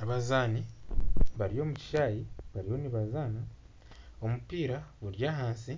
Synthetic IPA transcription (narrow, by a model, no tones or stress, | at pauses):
aβazaːni | βaɾijo̞ːmuci̥ʃaːjiβaɾiho̞niβazaːna | omupiːɾaβuɾjaːɦaːnsi